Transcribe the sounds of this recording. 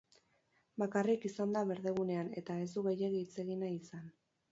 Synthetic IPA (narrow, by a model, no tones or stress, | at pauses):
bakarikisand̪aβe̞ɾðe̞ɣune̞ane̞t̪ae̞zd̪uɣe̞je̞ɣit͡se̞ɣinaisan